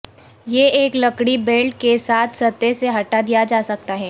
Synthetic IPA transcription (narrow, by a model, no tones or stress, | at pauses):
jeeːklɐkɽibeːlʈkesaːt̪ʰsɐt̪ːeseɦɐʈad̪ijad͡ʒaːsɐk̚t̪aɦɛː